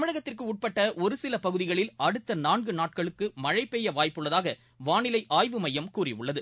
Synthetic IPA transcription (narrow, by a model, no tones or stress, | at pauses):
mɪɻɐɣɐt̪ːɪrkɯʊʈ̚pɐʈːɐʔɔɾɯsɪlɐpɐɣɯðɪɣɐɭɪlɐɽɯt̪ːɐnaːnɡɯnaːʈ̚kɐɭɯkːɯmɐɻɐɪpːeːjɐʋaːjpːɯɭːɐðaːɣɐ | ʋaːɳɪlɐɪʔaːjʋɯmɐjːɐmkuːrɪʊɭːɐðɯ